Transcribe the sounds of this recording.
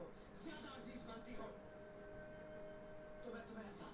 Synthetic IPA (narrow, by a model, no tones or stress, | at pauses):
oː | zjaːd̪aəɾziːzbə̃nt̪iːɦoː | t̪omɛ̃ːt̪ʊmɛ̃sa